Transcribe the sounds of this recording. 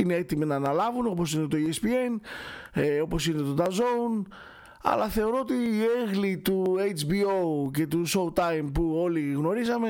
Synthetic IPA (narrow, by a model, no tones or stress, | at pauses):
ine̞et̪iminɐːnɐlɐvuno̞po̞sine̞t̪o̞iespie̞n | o̞po̞sine̞t̪o̞d̪ɐzo̞un | ɐ̰lɐθe̞o̞ɾo̞ot̪iːeɣlit̪uejt͡ʃbio̞ce̞t̪̬usowt̪ɐjmpuo̞liɣno̞ɾisɐme̞